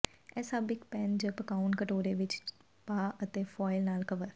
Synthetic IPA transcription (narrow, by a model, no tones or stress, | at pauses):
ɛːsaːbɪkpɛ̃ːnd͡ʒəpəkaːʊnkəʈoːɾeːʋɪt͡ʃ | paːʔət̪eːpʰɔːɪlnaːlkəʋəɾ